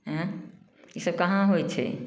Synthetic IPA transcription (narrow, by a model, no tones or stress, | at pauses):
ɦɦ | jisəb̚kɐɦãɦojt͡ʃʰḛ